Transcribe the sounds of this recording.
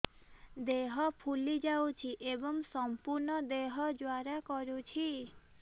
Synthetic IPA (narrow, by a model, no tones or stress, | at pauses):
d̪eɦɔpʰulid͡ʒawt͡ʃʰiʔebɔŋsɔmpuɾnɔd̪eɦɔd͡ʒwaɾakɔɾut͡ʃʰi